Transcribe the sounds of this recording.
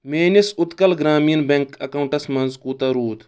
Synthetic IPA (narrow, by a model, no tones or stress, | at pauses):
meːnisʊt̪kɐlɡɾaːmiːnbɐŋkɐkɐuɳʈɐsmɐnzkuːt̪ɐɾuːt̪